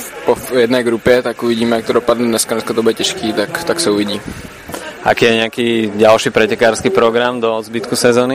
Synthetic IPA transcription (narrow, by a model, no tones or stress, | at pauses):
pojɛdnɛːɡɾupjɛt̪akuʋiɟiːmɛjak̚t̪odopad̪nɛd̪nɛskanɛskat̪obudɛcɛʃkiːt̪akt̪aksɛuʋiɟiː | ʔa̰kiːjɛɲɛakiːɟalʃiːpɾɛcɛkaːɾskiːpɾɔɡɾamd̪ɔzbit̪kusɛzɔːni